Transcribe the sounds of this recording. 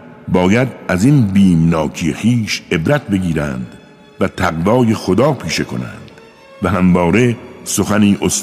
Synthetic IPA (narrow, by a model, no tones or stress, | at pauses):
bɒːjæd̪ʔæzinbiːmnɒːkʰijexiːʃe̞bɾæt̪̚ʰbe̞ɡiːɾæ̰nd̪̥ | væt̪ʰæɣvɒːje̞xod̪ɒːpʰiːʃe̞kʰo̞̰næ̰nd̪̥ | væhæmvɒːɾe̞so̞xæniːʔos